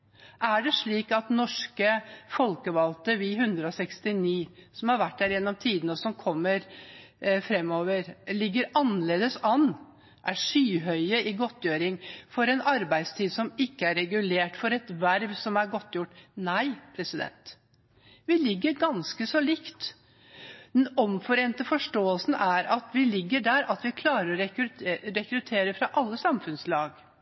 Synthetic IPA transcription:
ʔæɖɛʂɭiːkɑt̪nɔʂkəfɔlkəʋɑlt̪əʋiːɦʉnd̪ɾəɔsɛkst̪ɪniːsɔmhɑɾʋæʈːdæːɾjɛnːɔmt̪ʰiːd̪nəɔsɔmkʰɔmːəɾ | fɾɛmːoːʋəɾlɪɡːəɾɑnːəleːd̪əsɑnː | ʔæʂyːɦœʏəʔɪɡɔt̪ːjøːɾɪŋfɔɾɛnɑɾbæɪd̪st̪ʰiːd̪sɔmɪkːəæɾɛɡʉleːʈfɔɾɛt̪ʋæɾʋsɔmæɾɡɔt̪ːjʊʈːnæɪpʰɾɛsɪd̪ɛ̰nt̪ | ʋɪlɪɡːəɾɡɑnskəsɔlɪkt̪ | d̪ɛnɔmfɔɾeːnt̪əfɔʂʈoːəlsn̩æɾɑt̪ʋɪlɪɡːəɖæɾɑt̪ʋɪkʰlɑːɾəɾɔɾɛɾɛkɾʉt̪ʰeːɾəfɾɑʔɑlːəsɑmfʉnslɑːɡ

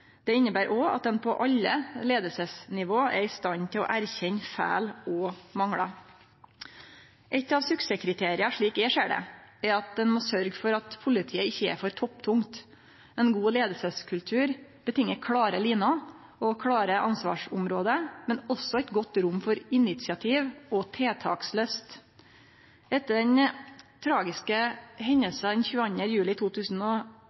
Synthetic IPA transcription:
d̪̥ɛɪnːəbæːɾʔɔɑ̰t̪̚d̪ɛnpʰɔʔɑʎːəleːd̪əlsəsnɪʋoːʔɛɾɪst̪ɑnt̪ʰɪlɔ̰ːʔæɾçɛɲfæ̰ːlɔmɑŋɽɑ | ʔɛt̪ːɑʋsʉksəkʰɾɪt̪ʰeːɾɪɑʂɭiːkɛʂeːɖɛ̰ɛɾɑt̪̚d̪ɛnmoːsœɾɡfɔɾɑt̪pʰʊlɪt̪ʰiːəɪçːəɛ̰ɾfɔɾt̪ʰɔpt̪ʰʊŋt̪ | ɛnɡuːleːd̪əsəskʰʉlt̪ʰʉːɾb̥ət̪ʰɪŋːəkʰɽɑːɾəliːnɑ | ɔkʰɽɑːɾəʔɑnsʋɑ̰ːʂʊmɾoːd̪əmɛnɔsːɔɛt̪ɡɔt̪ːɾʊmːfɔɾɪnɪt̪sɪɑt̪ʰiːʋɔt̪ʰeːt̪ʰɑ̰ːksløːst̪ | ɛt̪ːəɖɛnt̪ʰɾɑːɡɪskəɦɛɲːəlsɑd̪ɛnçʉːɑnəjʉːlɪt̪ʰuːt̪ʰʉːsn̩ɔ

